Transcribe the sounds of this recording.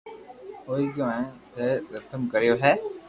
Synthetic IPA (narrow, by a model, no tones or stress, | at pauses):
oːiːkaẽt̪eɾət̪ʰəmkəɾɪjoːɦɛː